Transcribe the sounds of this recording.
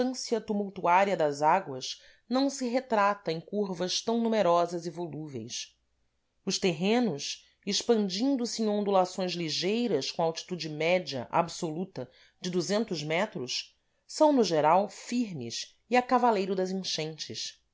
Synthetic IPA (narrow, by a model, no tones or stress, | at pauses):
ɐ̃siɐt̪umuwt̪uaɾiɐd̪ɐzaɡwɐʃ | nɐ̃w̃sɪɦet̪ɾat̪ɐẽj̃kuɾvɐʃt̪ɐ̃w̃numeɾɔzɐzivoluvḛjs | ʊʃt̪eɦẽnʊs | ɪʃpɐ̃nd͡ʒĩnd̪ʊsɪẽŋ̃õnd̪ulasõj̃zliʒejɾɐskõawt͡ʃi̥t̪ud͡ʒɪmɛd͡ʒiɐ̰ʔa̰bsolut̪ɐ | d͡ʒɪd̪uzẽnt̪ʊzmɛt̪ɾʊs | sɐ̃w̃nʊʒeɾawfiɾmɪʃ | iakavalejɾʊd̪ɐzĩʃẽnt͡ʃɪs